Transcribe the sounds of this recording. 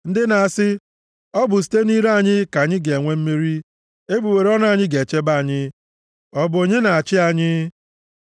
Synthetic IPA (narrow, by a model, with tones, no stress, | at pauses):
n̩˦dɪ˦na˨a˨sɪ˦ | ɔ˦bʊ˨s̬i̥˨te˦ni˦ɾa˦˨ɲɪ˦ka˨ɲɪ˦ɡe˨e˨ŋʷe˦m̩˦mi˦ɾi˦ | e˦bu˨we˨ɾe˦ɔ˦na˦˨ɲɪ˦ɡe˨t͡ʃe˦ba˦a˨ɲɪ˦ | ɔ˦bʊ˨o˨ɲe˦na˨a˨t͡ʃɪ˦a˨ɲɪ˦